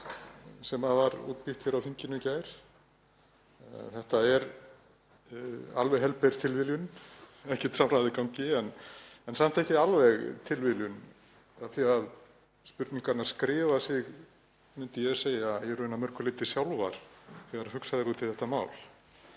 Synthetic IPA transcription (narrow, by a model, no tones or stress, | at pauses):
sɛmaðvaɾṵːt̪piht̪çɛɾawfiɲcɪnʏcaːjɾ̥ | θɛht̪aɛɾ | a̰lvɛɣɦɛlpɛɾ̥t̪ʰɪlvɪljʏnɛhcɛ̥t̪samɾajðɪkawŋcɪɛnɛnsam̥t̪ɛhcɪalvɛɣt̪ʰɪlvɪljʏn | aθiað | spʏɾt̪niŋkaɾnaɾ̥skɾɪːvasɪɣ | mʏnt̪ɪjɛðseːjajɛɾnamœɾ̥kʏɾlɪːt̪ɪ̥sjawlva̰ɾ̥θiaɾahʏksaðɪɾuːt̪ʰɪlθɛht̪ama̰ːwl